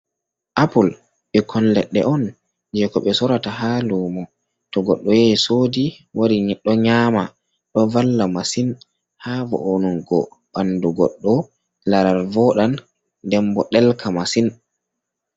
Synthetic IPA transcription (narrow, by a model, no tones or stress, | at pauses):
ʔapul | ɓɛkʰɔnlɛɗːɛ̰ʔɔn | d͡ʒɛkɔɓɛsɔɾataɦaluːmɔ | tɔɡɔɗːɔjɛsoːdi | waɾiɗɔɲaːma | ɗɔvalːamasin | havɔ̰ʔonuŋɡɔ | ɓanduɡɔɗːɔ | laɾaɾvɔɗan | dɛmbɔɗɛlkʰamasin